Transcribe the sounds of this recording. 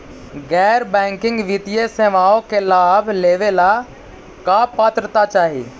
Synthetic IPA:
ɡɛːɾbɛ̃ːŋkɪ̃ŋɡʋit̪ijeseːʋaːõkelaːbʱleːʋela | kaːpaːt̪ɾət̪at͡ʃaːɦie

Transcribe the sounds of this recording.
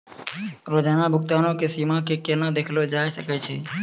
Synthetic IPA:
ɾod͡ʒanabʱʊk̚t̪anõkesimãkekenad̪ekʰlod͡ʒajʃəkat͡ʃʰe

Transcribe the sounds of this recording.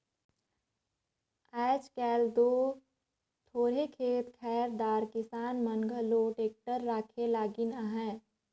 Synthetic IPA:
ɛːt͡ʃkɛːld̪oː | t̪ʰoːɽekʰeːt̪kʰɛːɾd̪aːɾkɪsaːnməŋɡʱəloːʈeːk̚ʈəɾːaːkʰelaːɡɪnaɦɛ̃ː

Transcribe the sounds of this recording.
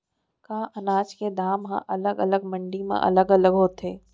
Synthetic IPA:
kãːʔɐnaːt͡ʃked̪ʱaːmɦã̰ʔɐləɡɐləɡmə̃ɳɖimḛ̃ʔɐ̰ləɡələɡɦoːt̪ɦeː

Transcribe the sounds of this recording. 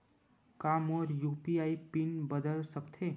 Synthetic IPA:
kaːmɔːɾjuːpiaːipɪnbəd̪əlsəkt̪ʰeː

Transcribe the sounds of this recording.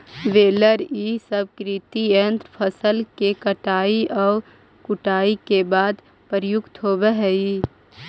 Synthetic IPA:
ʋeːləɾiːsəb̚kɾit̪ient̪ɾpʰəsəlkekəʈaːiʔɔː | kʊʈaːikebaːd̪ | pəɾjʊkt̪ɦoːbeɦɛi

